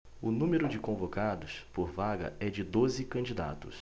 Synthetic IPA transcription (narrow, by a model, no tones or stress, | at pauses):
ʊnũmeɾʊd͡ʒɪkõvokad̪ʊspoɾvaɡɐ̰ɛd͡ʒɪd̪ozɪkɐ̃d͡ʒid̪a̰t̪ʊs